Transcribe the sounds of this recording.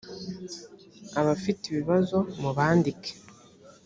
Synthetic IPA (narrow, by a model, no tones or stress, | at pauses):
aβafiteβiβazo̞muβaːndike̥